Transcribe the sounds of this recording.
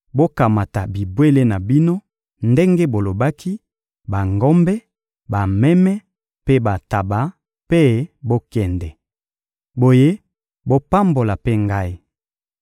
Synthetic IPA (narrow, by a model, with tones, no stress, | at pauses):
bo˦ka˨ma˨ta˨bi˨bwe˦le˦na˨bi˦no˦ | nde˦ŋɡe˦bo˨lo˨ba˦kʰi˦ | ba˨ŋɡɔ˦mbɛ˦ | ba˨mɛ˦mɛ˦ | pe˦ba˨ta˨ba˨ | pe˦bo˦kɛ˨ndɛ˨ | bo˨je˦ | bo˦pa˦mbo˨la˨pe˦ŋɡa˦i˦